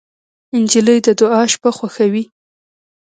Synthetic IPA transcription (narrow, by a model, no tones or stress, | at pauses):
ɪnd͡ʒiləjd̪əd̪ʊɑʃpaxwaxawi